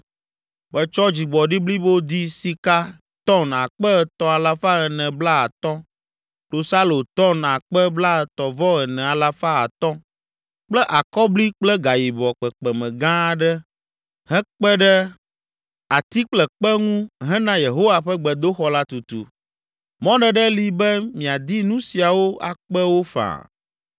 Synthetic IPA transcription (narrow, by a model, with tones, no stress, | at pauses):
k͡pɛ˨t͡ʃɔ˦d͡ʑi˨ɡ͡bɔ˨ɖi˦bli˦bo˦d̪i˦si˨ka˦ | t̪ɔ˦na˨k͡pɛ˦ɛ˨t̪ɔ̃˦a˨la˦fa˦ɣɛ˨nɛ̃˨bla˦a˨t̪ɔ̃˦ | ko˨sa˦lo˨t̪ɔ˦na˨k͡pɛ˦bla˦˨t̪ɔ˨vɔ˦ɛ˨nɛ̃˨a˨la˦fa˦a̰˨t̪ɔ̃˦ | k͡plɛ˦ʔa˨kɔ˦bli˦k͡plɛ˦ɡa˨ji˨bɔ˨k͡pɛ˨k͡pɛ˨mɛ̃˨ɡã˦ɖɛ˦ | ɦɛ̃˦k͡pɛ˦ɖɛ˦ | a˨t̪i˦k͡plɛ˨k͡pɛ˦ŋũ˦ɦɛ̃˦nã˦je˨ɦo˦wa˨ɸɛ˦ɡ͡bɛ˨d̪o˦xɔ˨la˦t̪u˨t̪ṵ˨ | mɔ̃˦ɖɛ˨ɖɛ˦li˨bɛ˦mĩ˨a˨d̪i˦nũ˦si˨a˨wo˦a̰˨k͡pɛ˦wo˦fã̰˨